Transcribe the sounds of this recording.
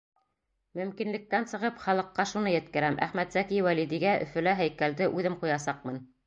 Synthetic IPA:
mɵ̆mkinlɘ̆k̚t̪ænsɤ̆ʁɤpχɑlˠɤ̆qːɑʃunɤjɘ̆t̪kɘ̆ɾæmʔæ̰χmæt̪sækiwælid̪iɡæʔɵ̆fɵ̆læɦæjkæld̪ɘʔʉðɘmqujɑsɑq̚mɤn

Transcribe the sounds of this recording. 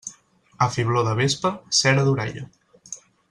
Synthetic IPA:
əfiβloðəβespəsɛɾəðuɾɛ̰ʎə̰

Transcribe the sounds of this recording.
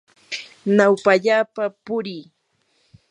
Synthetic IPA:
nawpaʎaːpapʊɾiː

